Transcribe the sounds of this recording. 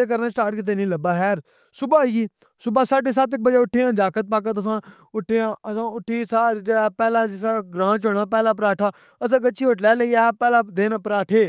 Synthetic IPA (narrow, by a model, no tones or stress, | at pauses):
eːkəɾnaːsʈaːɾʈkɪt̪̬eːnĩːləbaːɦɛːɾ | sʊbaːiː | sʊbaːsaːɖeːs̬aːt̪ɪk̚bəd͡ʒeːʊʈʰːeːãːd͡ʒaːkət̪̚paːk̬ət̪əs̬ãː | ʊʈʰːeːãːəsãːʊʈʰːiːsaːɾd͡ʒeɽaːpɛːlãːd͡ʒɪsaːɡɾãːt͡ʃoːnãːpɛːlaːp̬ɾaːʈʰaː | əsãːkəːt͡ʃʃʰiːʊʈlɛːləiːaːpɛːlaːd̪eːnapəɾaːʈʰeː